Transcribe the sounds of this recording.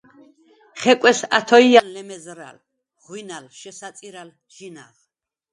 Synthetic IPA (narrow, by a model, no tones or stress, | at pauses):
χɛkʼɛsa̰t̪ʰɔiallɛmɛzɾa̰l | ʁwinalʃɛsat̪sʼiɾal | d͡ʒina̰ʁ